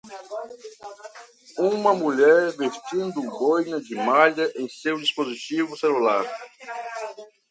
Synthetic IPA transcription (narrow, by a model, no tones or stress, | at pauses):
ũmɐmuʎɛɾvest͡ʃĩnd̪ʊɡojnɐd͡ʒɪmaʎɐʔẽj̃sewd͡ʒispozit͡ʃivʊselulaɾ